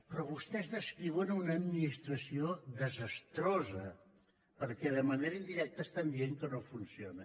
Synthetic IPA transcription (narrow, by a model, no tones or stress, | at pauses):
pɾɔβust̪ɛzðəskɾiβənunəːd̪minist̪ɾəsioðəzəst̪ɾozə | pəɾkɛðəməneɾəind̪iɾɛk̚t̪əst̪and̪ieŋkənofunsionə